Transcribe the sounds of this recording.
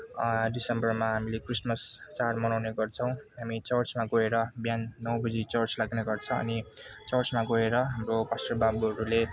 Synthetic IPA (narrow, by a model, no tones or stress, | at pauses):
ɖisʌmbʌrmaɦamilekrismʌst͡sarmʌnawneɡʌrt͡sʰʌ̃w̃ɦamit͡sʌrt͡smaɡʌɦeɾʌbjanːʌwbʌd͡zit͡sʌrt͡slaɡneɡʌrt͡sʰʌ̃ʌ̰nit͡sʌrt͡smaɡʌɦeɾʌɦamropasrʌbabuɦʌɾule